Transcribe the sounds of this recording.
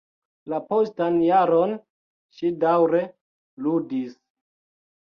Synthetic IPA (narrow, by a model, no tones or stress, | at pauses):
lapo̞stanjaɾon | ʃidawɾe̞ | ludis